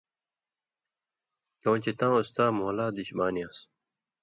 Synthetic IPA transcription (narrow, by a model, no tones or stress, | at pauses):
kõːt͡ɕet̪ãːust̪aːmoːlaːd̪iɕbaːnijaːs